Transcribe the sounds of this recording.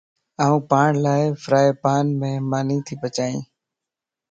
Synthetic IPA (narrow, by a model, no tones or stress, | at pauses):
aːũːpaːɳlaːɪfɾaːeːpaːnmẽːmaːnĩːt̪ʰiːpət͡ʃaːḭ̃ː